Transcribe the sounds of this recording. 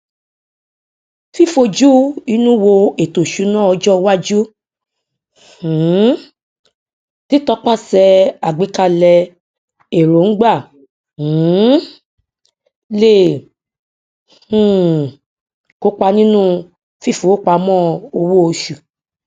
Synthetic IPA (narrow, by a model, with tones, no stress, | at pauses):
fi˦˨fo˧d͡ʒu˦i˧˦nũ˦wo˧e˨to˨ʃu˨˦nã˦˨ɔ˧d͡ʒɔ˦wa˦d͡ʒu˦˨˦ | ti˦tɔ˦k͡pa˦˨sɛ˧a˨ɡ͡be˨˦ka˧lɛ˧ | e˨ɾo˨˦n̩˦ɡ͡ba˦˨˦ | le˦˨ | h̩˨ | ko˦k͡pa˧nĩ˦nũ˦ | fi˦˨fo˨˦o˦k͡pa˧mɔ̃˦o˧wo˦o˧ʃu˨